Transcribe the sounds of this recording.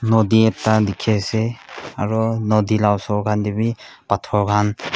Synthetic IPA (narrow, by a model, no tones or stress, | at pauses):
nɔdietːadikʰeseaɾɔnɔdilawsɔɡʰandibipatʰɔɾɡan